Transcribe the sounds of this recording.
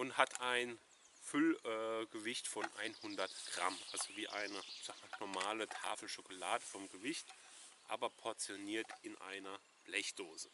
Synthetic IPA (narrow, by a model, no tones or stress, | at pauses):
ʔʊnthatʰaɪn | fʏlɛːɡəvɪçtfɔnʔa̰ɪnhʊndɐtɡ̥ʁa̰mʔalzoviːʔa̰ɪnəz̥aɡmanɔɐmaːlətʰa̰ːfl̩ʃokolaːdəfɔmɡəvɪçtʔa̰ːbɐpʰɔɐt͡sjoniːɐtɪnʔa̰ɪnɐ | b̥lɛçd̥oːzə